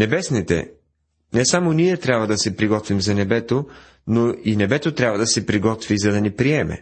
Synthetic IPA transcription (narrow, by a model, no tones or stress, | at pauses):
nɛbɛsnit̪ɛ̰ | nɛsamoniɛt̪ɾʲabvɐd̪ɐsɛpɾiɡɔt̪vimzɐnɛbɛt̪o | noinɛbɛt̪ot̪ɾʲjabvɐd̪ɐsɛpɾiɡɔt̪vizɐd̪ɐnipɾiɛmɛ̰